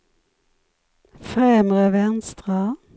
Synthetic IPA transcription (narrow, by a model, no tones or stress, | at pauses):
fʁɛmʁəʋɛnst̪ʁə